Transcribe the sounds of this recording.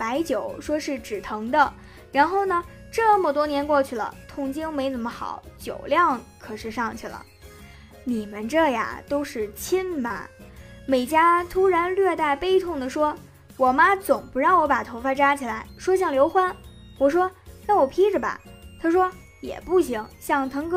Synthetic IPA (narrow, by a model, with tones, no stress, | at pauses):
pa˧˥ɪt͡ɕjo˨˩˦ʊʂwɔ˥ʂɻ̩˥˩ʈ͡ʂɻ̩˨˩t̪ʰɤ˧˥ŋd̪ə˧ | ɻa˧˥nxo˥˩ʊnə˩ | ʈ͡ʂɤ˥˩mə˨˩t̪wɔ˥njɛ˧˥nkwɔ˥˧t͡ɕʰy˥˩lə̰˩t̪ʰʊ˥˩ŋt͡ɕi˥ŋme˧˥ɪt͡sə˨˩nmə˦xɑ̰˨˩˦ʊt͡ɕjo̰˨˩ʊljɑ˥˩ŋkʰɤ˨˩ʂɻ̩˥˧ʂɑ˥˧ŋt͡ɕʰy˥˩lə̰˩ | ni˨˩mə˦nʈ͡ʂɤ˥˩ja̰˩t̪o˥ʊʂɻ̩˥˩t͡ɕʰi˥nmɐ̰˨˩me˨˩ɪt͡ɕja˥t̪ʰu˥ɻa˧˥nlɥɛ˥˧t̪a˥˩ɪpe˥ɪt̪ʰʊ˥˩ŋd̪ə˩ʂwɔ˥ | wɔ˨˩ma˥t͡sʊ˨˩ŋpu˧˥ɻɑ˥˩ŋwɔ˧˥pa˨˩t̪ʰo˧˥ʊfa˥ʈ͡ʂa˥t͡ɕʰi˨˩la˧˥ɪʂwɔ˥ɕ̬jɑ˥˩ŋljo˧˥ʊxwa˥n | wɔ˨˩ʂwɔ˥na˥˩wɔ˨˩pʰi˥ʈ͡ʂə˨˩ba̰˨˩t̪ʰa˥ʂwɔ˥ | jɛ̰˨˩pu˥˩ɕi˧˥ŋɕjɑ˥˩ŋt̪ʰɤ˧˥ŋk